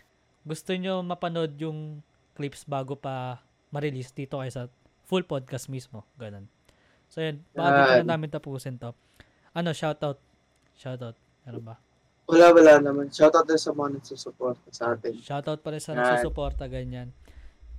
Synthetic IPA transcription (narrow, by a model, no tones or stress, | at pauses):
ɡʊst̪oɲo̞mɐpɐno̞d̪̚jʊŋ | klipsbaːɡopɐ | mɐɾɪlisd̪iːt̪o̞kɐjasɐ | fulpod̪̚kɐsmismo̞ɡɐno̞n | sojonbakɐɐnaːmɪnt̪ɐpuːsɪnt̪o̞ | ʔɐno̞ʃawt̪awt̪̚ | ʃawt̪awt̪̚mɛːɾonbɐ | wɐlawɐlanɐmanʃawt̪awt̪̚ansɐmɐŋanɐɡsuːsʊpoɾt̪ɐsɐʔaːt̪ɪnʃawt̪awt̪̚pɐɾɪnsɐnɐsuːsʊpo̞ɾt̪ɐɡɐɲan